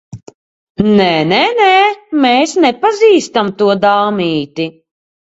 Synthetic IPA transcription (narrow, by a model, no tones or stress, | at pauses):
nɛnɛnɛmɛːsnɛpaziːst̪amt̪uɔd̪aːmiːt̪i